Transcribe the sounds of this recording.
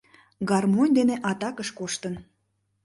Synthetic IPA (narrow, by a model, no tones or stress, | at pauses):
ɡɑrmonʲd̪eneʔɑt̪ɑkəʃkoʃt̪ən